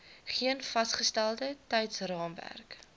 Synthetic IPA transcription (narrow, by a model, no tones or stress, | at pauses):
χiənfɐsχəstælˠdətɛjtsrɑːmvæ̰rk